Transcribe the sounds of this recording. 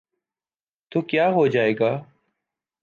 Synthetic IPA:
t̪oːkjaːɦoːd͡ʒaːeːɡaː

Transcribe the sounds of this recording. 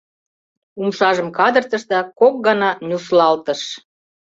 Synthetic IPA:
umʃɑʒəmkɑd̪ərt̪ə̆ʃd̪ɑkok̚ɡɑnɑnʲuslɑlt̪əʃ

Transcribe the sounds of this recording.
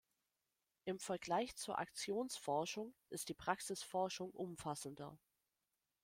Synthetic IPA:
ʔɪmfɛɐɡlaɪçt͡suːɐʔa̰kt͡sjoːnsfɔɐʃʊŋʔɪst̚d̥iːpʁ̥aksɪsfɔɐʃʊŋʔʊmfasn̩dɐ

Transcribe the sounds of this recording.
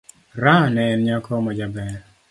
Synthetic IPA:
ɾanɛɛnɲakʰɔmɔd͡ʒabɛɾ

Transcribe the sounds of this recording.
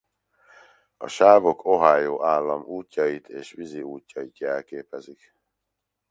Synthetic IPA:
ɒ̰ʃaːvo̞kʰo̞ɦaːjoːʔaːlːɒmuːcːɒjit̪ʰeːʃʋiziuːcːɒjit̪jɛlkeːpɛzik

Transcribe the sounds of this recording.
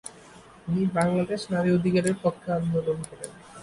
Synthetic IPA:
t̪inibaŋlad̪eʃnaɾiod̪ʱikaɾeɾpokʰːeand̪olonkʰeɾḛn

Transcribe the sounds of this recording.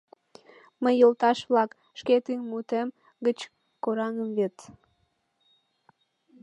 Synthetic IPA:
məjːəlt̪ɑʃβlɑk | ʃket̪ynmut̪em | ɡət͡ɕ | koɾɑŋəmvet̪

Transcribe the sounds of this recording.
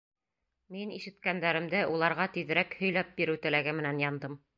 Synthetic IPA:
miniʃɘ̆t̪kænd̪æɾɘ̆md̪ɘʔulˠɑɾʁɑt̪iðɾækhɵ̆jlæp̚biɾɘwt̪ɘ̆læɡɘmɘ̆nænjɑnd̪ɤm

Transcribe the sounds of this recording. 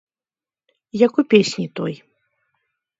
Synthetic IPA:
jakupʲesʲnʲit̪ɔj

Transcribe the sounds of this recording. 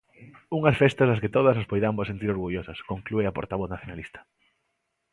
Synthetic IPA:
uŋɐsfest̪ɐzðɐskɪt̪oðɐsnospojðambossent̪̬iɾoɾɣuʎosɐskoŋklueɐpo̰ɾt̪aβ̞oθnaθjonalist̪ɐ̥

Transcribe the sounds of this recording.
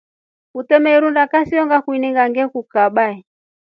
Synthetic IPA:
kutɛmɛiɾundakasiɔŋɡakwiniŋɡaŋɡɛkukaɓaɛ

